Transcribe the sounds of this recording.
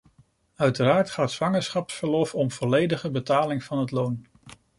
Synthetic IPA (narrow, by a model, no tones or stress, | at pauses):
œɥtəɾaːɹtχaːtsʋɑŋəɹsχɑpsfəɹlɔfɔmv̥ɔlejdəχəbətaːlɪŋv̥ɑnɦətlown